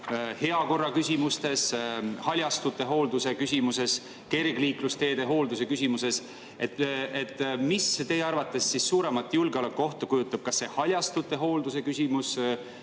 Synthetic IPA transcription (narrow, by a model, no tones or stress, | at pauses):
he̞ɑko̞rːɑkysʲimust̪e̞shɑlʲjɑst̪ut̪ːˑe̞ɦo̞ːld̪use̞kysʲimuse̞s | ke̞rɡliːklust̪e̞ːd̪̥eɦo̞ːld̪use̞kysʲimuse̞s | et̪et̪ːˑmist̪e̞jeɑrvɑt̪ːˑe̞sːissuːɾe̞mɑt̪ːˑjulɡeo̞lekːˑo̞ht̪ɑkujut̪ːˑɑb̥̚kɑsːe̞hɑlʲjɑst̪ut̪ːˑe̞ɦo̞ːld̪use̞kysʲimus